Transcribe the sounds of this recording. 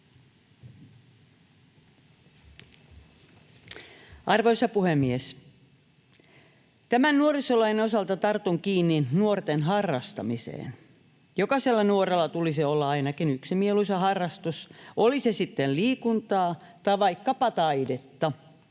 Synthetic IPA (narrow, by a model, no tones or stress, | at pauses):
ɑrʋojsɑpuhemːies | t̪æmænnuorisolɑjnenosɑlt̪ɑt̪ɑrt̪uŋkiːnːinuort̪enɦɑrːɑst̪ɑmisḛːn | jokɑselːɑnuoɾelːɑt̪ulisiolːɑɑinɑkinyksimieluisɑɦɑrːɑst̪usolisesit̪ːelliːkunt̪ɑː | t̪ɑʋɑikːɑpɑt̪ɑidet̪ːɑ